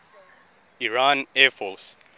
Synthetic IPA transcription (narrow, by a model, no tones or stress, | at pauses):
iɹanɛfɔs